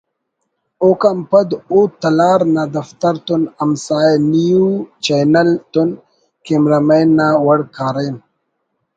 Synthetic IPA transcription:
okampɐd̪ut̪ɐlaːɾnad̪ɐft̪ɐɾt̪unɐmsaːjenijut͡ʃajnɐlt̪un | kimɾɐmajnːawɐɽkaːɾejn

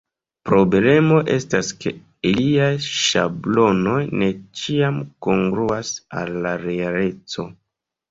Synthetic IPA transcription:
pɾo̞ble̞mo̞ʔe̞staske̞̰ | iliajʃa̰blo̞no̞jne̞t͡ʃiamkoŋɡɾuasa̰lːaɾeale̞t͡so̞

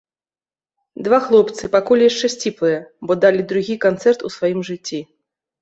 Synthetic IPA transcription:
d̪vaxlˠɔpt̪sɨpakɔlʲjaʂt͡ʂɛsʲt͡sʲiplˠɨjɐbɔd̪alʲid̪ɾuɣʲikant̪sɛrt̪usvajimʐɨt͡sʲːi

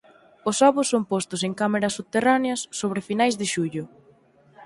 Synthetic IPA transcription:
ʊsɔβʊsːompost̪ʊseŋkameɾɐsːuβt̪eraneɐsːoβɾɪfinajzðɪʃuʎʊ

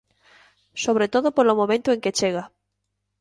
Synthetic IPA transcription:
soβɾet̪oðopolomõmẽnt̪oẽŋket͡ʃeɣa

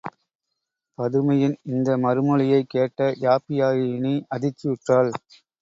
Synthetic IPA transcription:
pɐðɯmɐjɪnɪnd̪ɐmɐɾɯmɐɭɪjɐɪkːeːʈːɐjaːpɪjaːjɪniɐðɪt͡ʃːɪɪʈraːɭ

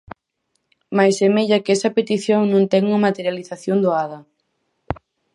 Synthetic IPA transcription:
majsemeʎakɛsɐpet̪iθjoŋnõnt̪ɛŋuŋɐmat̪eɾjaliθaθjond̪oaðɐ

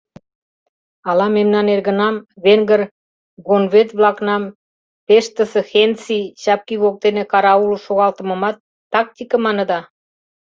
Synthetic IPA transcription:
ɑlɑmemnɑnerɣə̆nɑmβeŋɡər | ɡonβet̪βlɑknɑm | peʃt̪ə̆sĕxent͡siɕɑp̚kiβok̚t̪enĕkɑɾɑuluʃoɣɑlt̪ə̆mə̆mɑt̪ːɑk̚t̪ikə̆mɑnə̆d̪ɑ

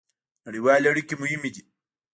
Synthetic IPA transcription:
ɾiwaːlɐɽikimuhimːid͡ʒi

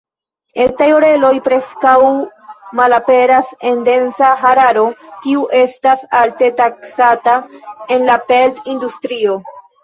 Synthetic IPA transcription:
etajoɾe̞lo̞jpɾe̞skawmalape̞ɾase̞nde̞nsaɦaɾaɾo̞tiuʔe̞stasalte̞taksatae̞nlape̞ltindustɾio̞

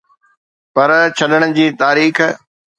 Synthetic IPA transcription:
pɐɾt͡ɕʰɐɗəɽ̃ʊd͡ʑiːt̪aːɾiːx

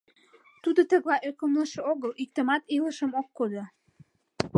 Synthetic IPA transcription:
t̪ud̪ot̪ə̆ɣlɑʔøkəmləʃĕoɣəlik̚t̪ə̆mɑt̪iləʃəmokːod̪o

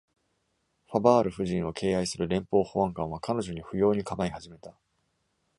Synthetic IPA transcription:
ɸabaːɾɯ̟ɸɯ̟ʑĩɰ̃o̞kʰe̞ːaisɨɾɯ̟ɾẽ̞mpo̞ːhoβãŋkãɰ̃β̞akano̞ʑo̞ɲ̟iɸɯ̟jo̞ːɲ̟ikabaihaʑime̞t̪a

